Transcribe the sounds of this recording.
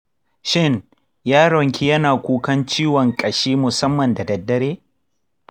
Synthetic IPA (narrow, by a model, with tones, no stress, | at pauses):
ʃɪ˦n | jaː˦ɽɔ˨ŋkʲi˦jɐ˦naː˨kʷuː˦kɐ˦nt͡ʃiː˦wɔ˨ŋkʼɐ˨ʃiː˦mʊ˨sɐ˦mːɐ˨nda˨dɐ˨dːɐ˦ɽeː˦